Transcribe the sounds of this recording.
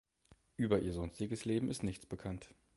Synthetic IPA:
ʔyːbɐʔiːɐzɔnstɪɡəsleːbm̩ɪstnɪçt͡sb̥əkʰant

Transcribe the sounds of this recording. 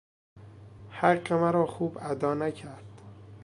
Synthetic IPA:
hæɢːemæɾɒːxuːbæd̪ɒːnæcʰæɾd̪̥

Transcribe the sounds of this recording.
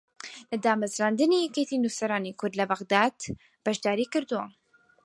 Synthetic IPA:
lɨd̪aːmazɾaːnd̪ɨnijɛket̪inusɐɾaːnikʰʊɾd̪lɐbɐɣd̪aːd̪ | b̥ɐʃd̪aːɾikɨɾd̪uwa̰

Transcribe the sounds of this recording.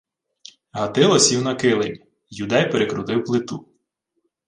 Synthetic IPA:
ɦɐt̪ɪlˠɔsʲiwnɐkɪlˠenʲi | jud̪ɛjpeɾekɾʊd̪ɪwplˠɪt̪u

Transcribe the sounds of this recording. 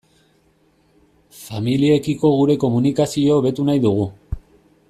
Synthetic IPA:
familie̞kiko̞ɣ̞uɾe̞ko̞munikasio̞βe̞t̪unajðuɣ̞u

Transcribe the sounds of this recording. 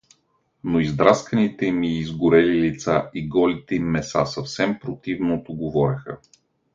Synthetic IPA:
noizd̪ɾaskɐnit̪ɛmiːzɡʊɾɛlilit̪saʔiɡɔlit̪ɛimːɛsa̰sɐfsɛmpɾot̪ivnot̪oɡovɔɾʲɐxə̰

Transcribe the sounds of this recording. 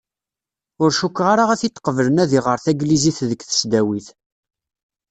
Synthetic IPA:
ʊɾʃukːʁaɾaʁæθit̪ːqːəvələnæðiʁəɾθæɡliziθðəkːθə̥sd̪æwiθ

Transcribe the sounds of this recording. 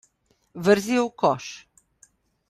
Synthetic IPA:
vəɾziowkɔʃ

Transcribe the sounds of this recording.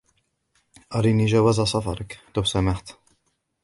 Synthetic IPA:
ʔɑɾiniʒawazasɑfɑ̰ɾˤɑkt̪ʊwsamaħt̪

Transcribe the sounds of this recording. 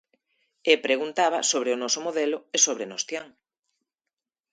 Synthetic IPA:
epɾeɣunt̪aβa̰soβɾeʊnɔsʊmoðɛlʊesoβɾenost̪jaŋ

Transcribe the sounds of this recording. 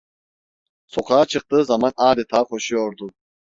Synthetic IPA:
sɔqʰaːt͡ʃʰɯq̚t̪ɯːzamanaːd̪it̪ʰaːχʰɔʃujɔɾd̪u

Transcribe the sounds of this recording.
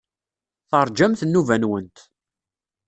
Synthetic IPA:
θəɾˤd͡ʒæmθənːuvænwənt̪

